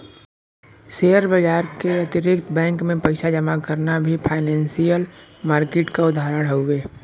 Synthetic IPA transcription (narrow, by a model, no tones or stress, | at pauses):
seːjəɾbəd͡ʒaːɾkeɐt̪ɪɾɪk̚t̪bɛ̃ːŋkmẽpɐɪʃad͡ʒəmakəɾnabʱipʰaːɪnɛ̃ːnsijəlmaːɾkeːʈkaʊd̪ʱaːɾəɽɦoʊweː